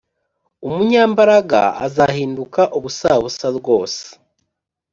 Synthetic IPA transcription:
umuɲaːmbaɾaɡa̰a̰zahiːndukaʔuβusaβusaɾɡo̞ːse̥

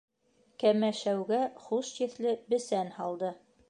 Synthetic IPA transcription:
kæmæʃæwɡæχuʃt̪ĭθlɘbɘ̆sænhɑlˠd̪ɤ

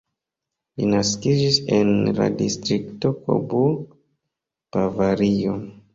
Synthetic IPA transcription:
linaskid͡ʒisenla̰distɾiktoko̰bu | pavaɾio

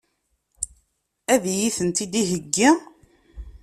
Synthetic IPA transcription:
æðjiθənt̪id̪iɦəɡːi

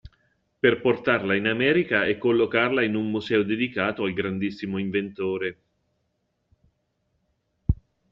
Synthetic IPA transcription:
perport̪arlainamɛːɾikaɛkːolːokarlainunmuzɛːod̪ed̪ikaːt̪oalɡɾand̪isːimoiɱvent̪oːɾe

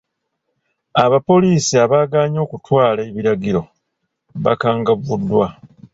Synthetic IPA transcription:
aβapo̞liːsiaβaːɡaːɲo̞ːkutwaːlaeβiɾaɡiɾo̞ | βa̰kaːŋɡaβudːwa

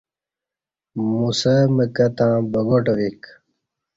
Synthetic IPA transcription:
musɐməkɐt̪ãːbɐɡoʈɐʋik

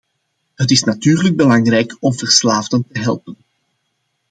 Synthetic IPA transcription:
ɦət̬ɪsnatyːrləɡ̚bəlɑŋrɛjkɔmvərslaːvdəntəɦɛlˠpən

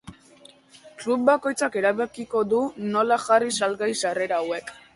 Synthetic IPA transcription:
klub̚bako̞jt͡sake̞ɾaβekiko̞ðuno̞laxarisalɡajsare̞ɾaːwe̞k

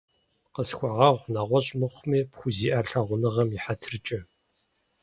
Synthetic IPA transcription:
qəsxʷaʁɐʁʷnaʁʷɔɕʼmɨχʷmiːpxʷʊziːʔaɬaʁʷʊnɨʁɐmiħatʰrɨt͡ʃʼɐ

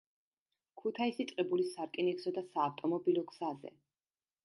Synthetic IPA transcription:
kʰut̪ʰaisit̪ʼqʼɛbulisaɾkʼiniksɔd̪asaːft̪ʼɔmɔbilɔɡz̥azɛ̰

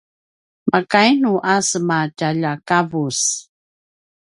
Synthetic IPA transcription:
makajnuʔasəmacaʎakavus

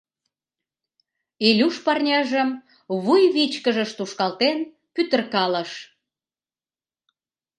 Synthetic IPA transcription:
elʲuʃpɑrnʲɑʒəm | βujβit͡ɕkəʒə̆ʃt̪uʃkɑlt̪en | pyt̪ə̆rkɑlə̆ʃ

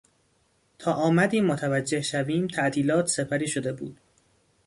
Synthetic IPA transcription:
t̪ʰɒːʔɒːmæd̪iːmːot̪ʰævæd͡ʒːe̞hʃæviːmt̪ʰæʔt̪ʰiːlɒːt̪ʰse̞pʰæɾiːʃo̞d̪e̞bṵːd̪̥

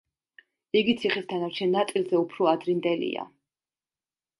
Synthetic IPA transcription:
iɡit̪sʰiχist̪ʰanaɾt͡ʃʰɛnːat̪sʼilˠzɛupʰɾɔad̪ɾind̪ɛlḭa̰

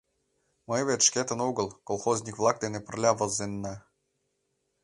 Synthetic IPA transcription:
mɤvʲet̪ʃkʲet̪ə̆nuɡə̆lˠkolˠxozʲnʲikvlˠɑk̚d̪enepə̆rlʲavəzenːɑ

